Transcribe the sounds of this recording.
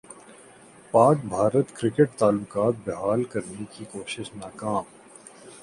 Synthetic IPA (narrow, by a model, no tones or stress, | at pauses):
paːk̚bʱaːɾət̪kɾɪkeʈ̚t̪aːlʊkaːt̪̚bɪɦaːlkɐɾnekikoːʃɪʃnaːkaːm